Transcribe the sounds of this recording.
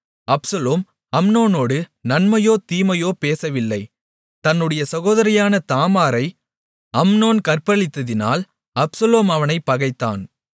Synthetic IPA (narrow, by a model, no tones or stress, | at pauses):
ɐpsɐloːm | ɐmnoːnoːɽɯnɐnmɐjoːt̪iːmɐjoːpeːsɐʋɪlːɐɪ | t̪ɐnːɯɽɐjɐsɐɣoːðɐɾɪjaːnɐt̪aːmaːɾɐɪ | ɐmnoːnkɐrpɐɭɪt̪ːɐðɪna̰ːl | ɐpsɐloːmɐʋɐnɐɪpːɐɣɐɪt̪ːa̰ːn